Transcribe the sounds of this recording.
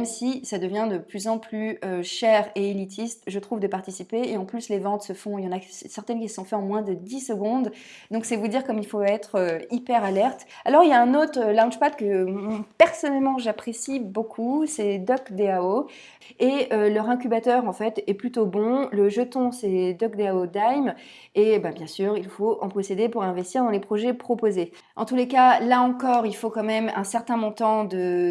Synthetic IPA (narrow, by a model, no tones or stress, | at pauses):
mɛmsisad̪əvjɛ̃d̪əplyzɑ̃plyøʃɛʁeelit̪ʰist̪ʒət̪χuvd̪əpaʁt̪isipeːɑ̃plyslevɑ̃t̪səfɔ̃ljɑ̃nassɛʁt̪ɛnkʲisə̥sɔ̃fɛɑ̃mwɛ̃d̪əd̪isəɡɔ̃d̪ | d̪ɔ̃ksɛvud̪iʁkɔmilfoɛt̪χøipɛʁalɛʁt̪ | alɔʁiljaɛ̃not̪χəlɛ̃ʒpat̪kəmɔ̃pɛʁsɔnɛlmɑ̃ʒapχesibokʰusɛd̪ɔkd̪eao | eølœʁɛ̃k̬ʲybat̪œʁɑ̃fɛt̪ɛplyt̪obɔ̃ləʒət̪ɔ̃sɛd̪ɔkd̪eaod̪ajm | ebabjɛ̃syːʁilfoʔɑ̰̃pχɔsed̪epuʁɛ̃vɛst̪iʁd̪ɑ̃lepχɔʒɛpχɔpoze | ʔɑ̰̃t̪ulekalaɑ̃kɔʁilfokɑ̃mɛmɛ̃sɛʁt̪ɛ̃mɔ̃t̪ɑ̃d̪ə